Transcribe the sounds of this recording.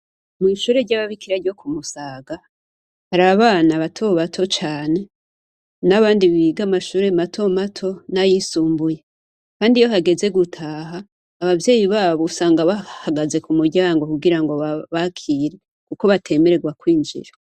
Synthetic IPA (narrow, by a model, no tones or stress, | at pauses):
miːʃuːɾe̞ɾɟaβaβikiɾaɾjo̞kʰumusaːɡa | haɾaβaβaːnaβatʰo̞βatʰo̞t͡ʃaːne̞ | naβaːndiβiɡamaʃuːɾe̞matʰo̞matʰo̞najisuːmbuje̞ | kaːndijo̞ɦaɡe̞ze̞ɡutʰaːɦaː | βavje̞ːjiβaːβosaːŋɡaβahaɡaze̞kumuɾɟaːŋɡo̞kuɡiɾaŋɡo̞aβakʰiːɾe̞ | kuko̞βatʰe̞me̞ɾe̞ɡwakwiːnd͡ʒḭɾa